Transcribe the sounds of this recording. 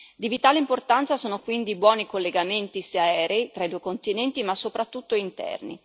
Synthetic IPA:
d̪ivit̪aːleimport̪ant̪sasoːnokwind̪ibwɔːnikolːeɡament̪iseaɛːɾeit̪ɾaid̪uːekont̪inɛnt̪imasːopɾat̪ːut̪ːoint̪ɛ̰rnḭ

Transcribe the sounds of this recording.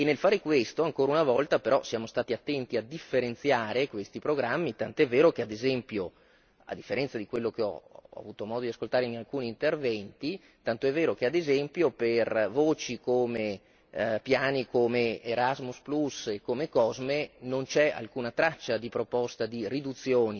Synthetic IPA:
enːelfaːɾekwest̪oaŋkoːɾaunavɔlt̪apeɾɔsjaːmost̪aːt̪iat̪ːɛnt̪iad̪ifːeɾent̪sjaːɾekwest̪ipɾoɡɾamːit̪ant̪oɛvːeːɾokead̪ezɛmpjo | a̰d̪ːifːeɾɛnt̪sad̪ikwelːok̟eɔ̰a̰vuːt̪omɔːd̪od̪iaskolt̪aːɾeinalkuːniːnt̪ervɛnt̪i | t̪ant̪oɛvːeːɾok̟ead̪ezɛmpjopervoːt͡ʃikoːme | pjaːnikomeeɾazmusplusekːomekɔzmenont͡ʃɛa̰lkuːnat̪ɾat͡ʃːad̪ipɾopɔst̪ad̪irid̪ut̪sːjoːni

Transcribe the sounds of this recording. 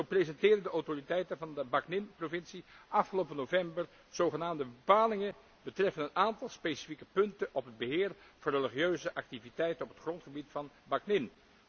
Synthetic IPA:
zowprezɛntɪːrdəndəowtoritɛjtənvɑndəbɑknɪnprovɪnsiʔɑfχəlowpənovɛmbər | z̥owχənaːmdəbəpaːlɪŋə | bətrɛfənənaːntɑlˠspejsi̥fikə̥pɵntəʔɔpɦəd̚bəɦɪːrv̥ɑnreliχijøɥzəʔɑk̚tivitɛjtənɔpətχrɔntχəbitfɑn | baknɪn

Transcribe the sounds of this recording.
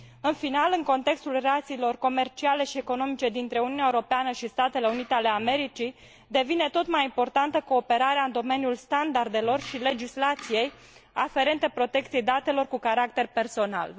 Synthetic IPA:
ɨnfinalɨŋko̞nt̪e̞kst̪ulreat̪siːlo̞rko̞me̞rt͡ʃiale̞ʃie̞ko̞no̞mit͡ʃe̞d̪int̪ɾe̞ununʲaeuɾo̞peanəʃist̪at̪e̞le̞unit̪eale̞ame̞ɾit͡ʃi | d̪e̞vine̞t̪o̞t̪majimpo̞rt̪ant̪əko̞ːpe̞ɾaɾeaɨnd̪o̞me̞njulst̪and̪ard̪e̞lo̞rʃile̞d͡ʒislat̪sije̞j | afe̞ɾe̞nt̪e̞pɾo̞t̪e̞k̚t̪siejd̪at̪e̞lo̞rkukaɾak̚t̪e̞rpe̞rso̞na̰l

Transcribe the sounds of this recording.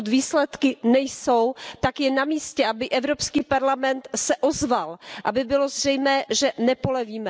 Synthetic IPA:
t̪viːslɛt̪kɪnɛjsowt̪akjɛnamiːscɛʔabɪʔɛvɾopskiːpaɾlamɛnt̪sɛʔozvalʔa̰bɪbɪlo̞zr̝ɛjmɛːʒɛnɛpolɛviːmɛ

